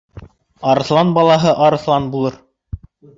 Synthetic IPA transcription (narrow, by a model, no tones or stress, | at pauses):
ɑɾɤ̆θlˠɑnbɑlˠɑɦɤʔɑɾɤ̆θlˠɑnbulˠɤɾ